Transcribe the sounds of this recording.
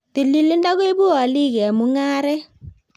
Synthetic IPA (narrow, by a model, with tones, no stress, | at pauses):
ti˨li˨lɪ˦nda˦ɣwe˦bu˦a˨li˦kɛ˨mu˦ŋaː˦ɾɛ˦